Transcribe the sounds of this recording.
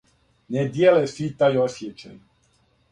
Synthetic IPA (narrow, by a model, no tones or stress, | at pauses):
nɛd̪jelesit̪ajosʲjet͡ʃa̰j